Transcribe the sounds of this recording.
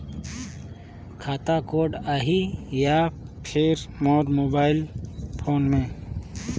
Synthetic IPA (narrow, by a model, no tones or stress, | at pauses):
kʰaːt̪akoːɖaːɦijaːpʰeːɾmɔːɾmoːbaːɪlpʰoːnmẽ